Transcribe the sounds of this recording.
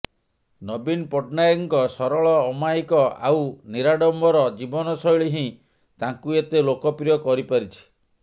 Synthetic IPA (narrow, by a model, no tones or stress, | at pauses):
nɔbinpɔʈnajɔŋkɔsɔɾɔɭɔːmajkɔa̰wniɾaɖɔmbɔɾɔd͡ʒibɔnɔsɔjɭiɦĩ | t̪aŋkuet̪elokɔpɾijɔkɔɾipaɾit͡ʃʰi̥